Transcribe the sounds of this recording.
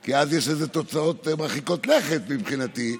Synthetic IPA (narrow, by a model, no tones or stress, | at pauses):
kiazjeʃezet̪o̞t͡saot̪maχiko̞t̪leχet̪mibχinat̪i